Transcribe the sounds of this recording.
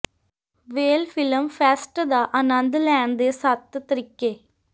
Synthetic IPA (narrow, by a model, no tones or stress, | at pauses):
ʋeːlfʰɪləmfʰɛːsʈd̪aːʔɐnənd̪lɛːɳd̪eːsɐt̪ːt̪ɾɪkːeː